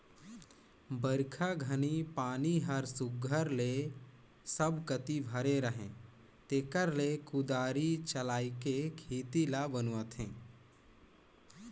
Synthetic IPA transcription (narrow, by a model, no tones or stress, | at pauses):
bəɾkʰaɡʱənipaːniɦəɾsʊɡʱəɾle | səbkət̪ibʱəɾeɾəɦḛ̃ː | t̪eːkəɾlekʊd̪aːɾit͡ʃəlaːikekʰiːt̪ilabənuət̪ʰẽː